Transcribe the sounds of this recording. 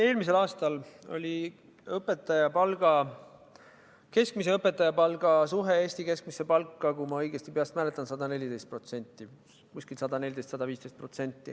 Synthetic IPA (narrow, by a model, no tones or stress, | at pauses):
e̞ːlmis̬e̞lɑːst̪ɑlo̞̰lʲi | ɤpːe̞t̪ːˑɑjɑpɑlɡ̥ɑ | ke̞skmise̞ɤpːˑe̞t̪ːˑɑjɑpɑlɡ̥ɑsuɦe̞eːsʲt̪ike̞sk̚mise̞pɑlkːˑɑkumɑɤjɡ̥e̞st̪ipeɑst̪mælet̪ˑːɑnsɑd̪ɑne̞lʲid̪e̞jst̪pro̞t̪se̞nʲt̪ˑːi | kusʲkilsɑd̪ɑne̞lʲid̪est̪sɑd̪ɑviːst̪e̞jst̪̚pro̞t̪se̞nʲt̪ːi